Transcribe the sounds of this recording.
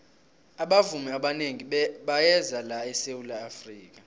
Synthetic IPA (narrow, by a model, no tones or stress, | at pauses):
aɓavumiaɓaneŋiɓajɛzalaɛsewulaːfriːk̬a